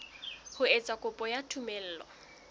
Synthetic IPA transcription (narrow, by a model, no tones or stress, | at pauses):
hʊet͡sʼakʼʊpʼɔjatʰumel̩ːlɔ̰